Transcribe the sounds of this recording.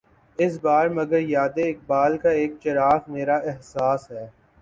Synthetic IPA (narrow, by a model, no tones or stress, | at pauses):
ɪs̬baːɾmɐɡəɾjaːd̪eɪk̚baːlkaeːk̚t͡ʃɐɾaːfmeːɾaɪɦsaːsɦɛː